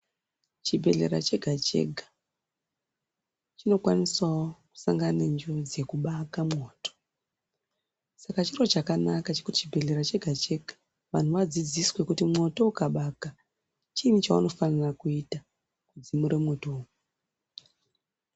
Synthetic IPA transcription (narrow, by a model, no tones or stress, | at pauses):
t͡ʃibʱe̞ɮe̞̰ɾa̰t͡ʃe̞ɡʱat͡ʃe̞̰ɡʱa | t͡ʃino̞kwaniswawoku̥saŋɡanend͡ʒod͡ze̞kuɓakamŋo̞ːto̥ | sakat͡ʃiro̞t͡ʃakanakat͡ʃe̞kuti̥t͡ʃibʱe̞ɮe̞ɾat͡ʃe̞ɡʱat͡ʃe̞ɡʱa | ʋan̤uʋad͡zid͡ziswe̞kutimŋo̞to̞ukaɓaka | t͡ʃinit͡ʃauno̞fanarakuita | kud͡zimuɾe̞mo̞toːu